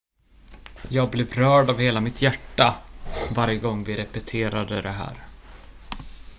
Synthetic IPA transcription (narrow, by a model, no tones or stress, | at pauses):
jɑːɡ̚blɪvɾœːɖavheːlamɪt̪ʰjæʈːavaɾjəɡɔŋːvɪɾɛpɛt̪ʰeːɾad̪əd̪ɛɦæ̰ːɾ